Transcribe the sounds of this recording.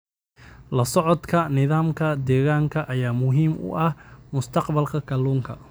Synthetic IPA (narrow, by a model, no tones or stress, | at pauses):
lɐsɔʕɔd̪kʰɐnɪðaːmkʰɐd̪ɛːɣaːŋkʰɐʔɐjaːmʊɦiːmʔʊ̰ʔɐhmʊst̪ʰɑqbɐlkʰɐkʰɐluːŋkʰɐ̰